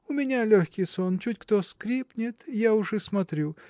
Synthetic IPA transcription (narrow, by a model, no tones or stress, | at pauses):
ʊmʲɪnʲalʲoxʲkʲɪjsont͡ɕutʲkt̪oskɾʲipnʲɪt̪jaʊʐɨsmɐt̪ɾʲu